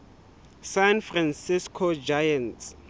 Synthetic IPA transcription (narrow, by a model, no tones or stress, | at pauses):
sanfransiskʰod͡ʒajant